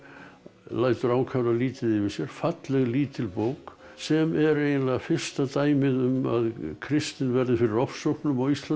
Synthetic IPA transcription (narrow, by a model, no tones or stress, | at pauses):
laːjt̪ʏɾawkʰavɾaliːt̪ɪðɪvɪsjɛɾ̥fat̪lɛɣliːt̪ɪlpowk | sɛmɛɾeːjnɪnlaɣafɪr̥st̪at̪aːjmɪðʏma̰ðkʰɾɪst̪ɪnvɛɾðɪfɪɾɪɾɔfsowhpnʏmawist̪la